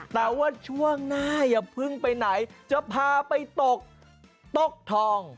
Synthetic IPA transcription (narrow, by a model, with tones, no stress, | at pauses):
t̪ɛː˨˩waː˥˩t͡ɕʰu˥˩əŋnaː˥˩ja˨˩pʰɯ˥˩ŋpa˧jna˩˦jt͡ɕa˨˩pʰaː˧pa˧jt̪o˨˩k̚ | t̪o˨˩k̚t̪ʰɔː˧ŋ